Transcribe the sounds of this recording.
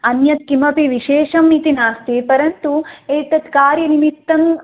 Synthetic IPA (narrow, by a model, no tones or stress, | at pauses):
ɐnjɐt̪̚kimɐpiʋiʃeːʃɐmit̪inaːst̪ipɐɾɐnt̪ueːt̪ɐt̪kaːɾjɐnimit̪ːɐm